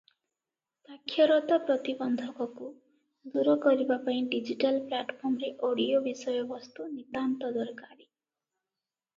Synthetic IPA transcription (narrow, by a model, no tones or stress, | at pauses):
sakʰːjɔɾɔt̪ɔpɾɔt̪ibɔnd̪ʱɔkɔku | d̪uɾɔkɔɾibapaĩɖid͡ʒiʈalplaʈpʰɔɾmɔɾeʔoɽiobisɔjɔbɔst̪unit̪ant̪ɔd̪ɔɾkaɾi